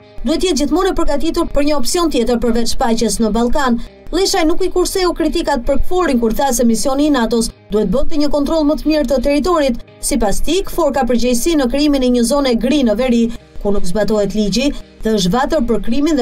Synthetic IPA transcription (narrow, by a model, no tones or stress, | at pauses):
d̪uhɛt̪əjɛt̪̚d͡ʑiθmɔnɛpəɾɡat̪it̪uɾpəɾɲəɔpsiɔnt̪jɛt̪əɾpəɾvɛt͡ʃʃpat͡ɕəsnəbalˠkanlˠɛʃajnukikuɾsɛukɾit̪ikat̪̚pəɾkə̥fɔɾinkuɾθas̬ɛmisjɔniːnat̪ɔsd̪uhɛt̪̚bət̪ɛɲəkɔnt̪ɾɔlˠmət̪əmiɾt̪ət̪ɛɾit̪̬ɔɾit̪ | sipast̪ikə̥fɔɾkapəɾɟɛjsinəkɾiminɛɲəzɔnɛɡɾinəvɛɾikunukzbat̪ɔhɛt̪lid͡ʑiðɛəʃ̬tvat̪əɾpəɾkɾiminð